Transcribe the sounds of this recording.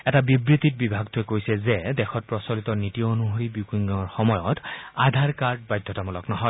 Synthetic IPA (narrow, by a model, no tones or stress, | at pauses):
ɛtabibɹitit̚bibʱaɡtʰʊɛkojsɛzɛdɛxʰɔt̚pɹɔsɔlitɔnitijoonuɦoɹibjukiŋɡaŋɔɹxɔmɔjɔtadʱaɹkaɹd̚bajdʱːɔtamɔlɔknɔɦɔj